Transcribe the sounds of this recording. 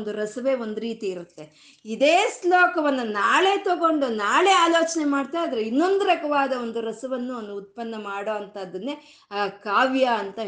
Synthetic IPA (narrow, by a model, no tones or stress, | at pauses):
nd̪uɾɐsɐʋe̞ːo̞nd̪uɾiːt̪iːɾut̪ːe̞ | id̪eːslɔːkɐʋɐnːunaːɭe̞ːt̪oɡo̞ɳɖunaːɭe̞ːaːloːt͡ʃɐnemaːɖt̪aːjd̪ɐɾeinːo̞nd̪ɾɐkɐʋaːd̪ɐo̞nd̪uɾɐsɐʋɐnːuɐnːuːt̪̚pɐnːɐmaːɽoːɐnt̪ɐːd̪ɐnːe | kaːʋjɐːnt̪ɐ